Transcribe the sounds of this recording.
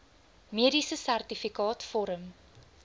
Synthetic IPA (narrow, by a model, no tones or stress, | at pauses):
miəɾisəsærtifikɑːtfɔɾəm